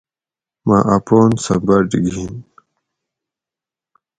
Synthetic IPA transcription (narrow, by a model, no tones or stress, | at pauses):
maʔapoːnsɐbaɖiɡʱin